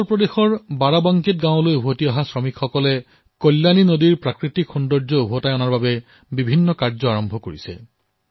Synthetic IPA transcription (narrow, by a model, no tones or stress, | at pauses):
ɔɹpɹɔdexɔɹbaɹabɔŋkit̚ɡãwʊ̃lojubʱotiaɦasɹɔmikxɔkɔlɛ | kolːaninodiɹpɹakɹitikxundɔɹzɔubʱotajɔnaɹbabɛ | bibʱinːɔkaɹzɔaɹɔmbʱɔkoɹisɛ̰